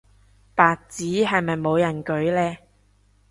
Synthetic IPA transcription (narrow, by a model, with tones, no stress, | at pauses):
paː˨k̚t͡siː˨˥ɦɐ˨jmɐ˨jmo˨˧wjɐ˨˩nkɵ˨˥ɥlɛː˧